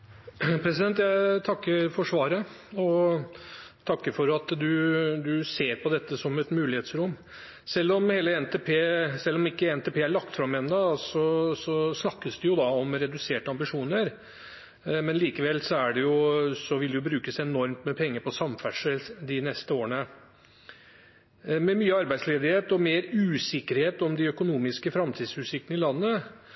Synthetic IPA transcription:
pʰɾɛsɪd̪ɛnt̪̬jæɪt̪ʰɑkːəfɔʂʋɑːɾə | ɔ | t̪ʰɑkːəfɔɾɑt̪d̪ʉd̪ʉseːɾpɔd̪ɛt̪ːəsɔmɛt̪mʉːlɪheːt̪sɾʊmː | sɛlːɔmheːləɛnt̪eːpʰeːsɛlːɔmɪkːəɛnt̪eːpʰeːæɭɑkt̪fɾɑmːɛnd̪ɑsɔsɔsnɑkːəsd̪ɛjʊd̪ɑɔmɾɛd̪ʉseːʈəɑmbɪʂuːnəɾ | mɛnliːkəʋɛlːsɔæɖɛjʊsɔʋɪld̪ɛjʊbɾʉːkəsæɛnɔɾmt̪mɛpʰɛŋːəpʰɔsɑmfæʂəd̪ɪnɛst̪əoːəɳə | mɛmyːəɑɾbæɪsleːd̪ɪheːt̪ɔmeːɾʉːsɪkːəɾheːt̪ɔmd̪ɪœkʊnuːmɪskəfɾɑmt̪ʰiːd̪sʉsɪkːənɪlɑnːə

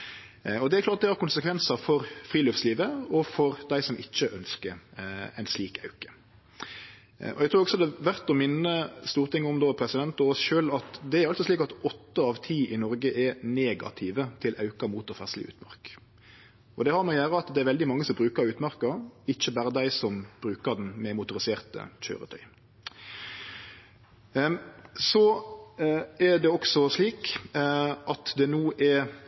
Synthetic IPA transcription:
ɔd̪ɛæɾklɑːɾt̪̚d̪ɛhɑɾkʊnsəkʰʋɛnsɑfɔɾfɾiːløːfsliːʋəɔfɔɾd̪æɪsɔmʔɪt͡ʃːəʔœnskəɾæ̰ɪnsliːkʰɑ̰ʉkə̥ | ɔ̰ɛɡ̚t̪ʰɾʉːɾɔɡsɔd̪ɛʋæʁt̪ɔmɪnːəst̪uːɾt̪ʰɪŋːʊmd̪oːpʰɾɛsɪd̪ɛnt̪ɔosʃøːlɑt̪d̪ɛæɾɑlt̪sɔsliːkɑt̪ɔt̪ːəɑʋt̪ʰiːʔɪnɔɾɡəʔɛɾneːɡɑ̰t̪ʰɪʋət̪ʰɪlʔɑʉkɑmuːt̪ɔfæ̰slɪ̰ʔʉ̰ːt̪mɑ̰ʁk | ɔd̪ɛhɑɾmɑɪjæːɾəɑt̪d̪ɛæɾʋɛld̪ɪmɑŋːəsɔmbɾʉːkəɾʉːt̪mæɾkəɪçəbæːɾəd̪æɪsɔmb̥ɾʉːkəɾd̪ɛnmɛmʊt̪ʊɾɪseːʁt̪ə̰c͡çø̰ːɾə̰t̪ʰœ̰ʏ | sɔ | ɛɾd̪ɛɔksɔsliːk | ʔɑt̪d̪ɛnuːʔɛɾ

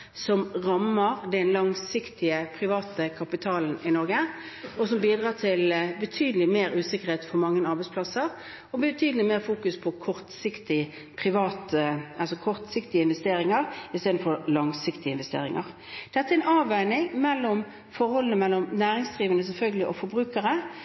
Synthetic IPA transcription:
sɔmʁɑmːəɾd̪ɛnlɑŋsɪkt̪ɪəpʰʁɪʋɑːt̪əkʰɑpɪt̪ʰɑːln̩ɪnɔɾɡə | ɔsɔmbiːd̪ʁɑːt̪ʰɪlbət̪ʰyːd̪lɪmeːɾʉːsɪkːəʁheːt̪fɔɾmɑŋːənɑɾbæɪspʰlɑsəɾ | ɔbɪbt̪ʰyːd̪əlɪmeːʁfuːkʉspʰɔkʰɔʁt̪sɪkt̪ɪ | pʰɾɪʋɑːt̪ɑlsɔkʰɔʁt̪sɪkt̪ɪəɪnʋɛst̪eːɾɪŋəʁɪst̪eːd̪n̩fɔɾlɑŋsɪkt̪ɪəɪnʋɛst̪ḛːɾɪŋə̰ʁ | d̪̥ɛt̪ːəæɛnɑːʋæɪnɪŋmɛlːɔm | fɔɾhɔlənəmɛlːɔmnæːɾɪŋsd̪ʁiːʋənəsɛlfœlɡəlɪʔɔfɔɾbʁʉːkəɾə

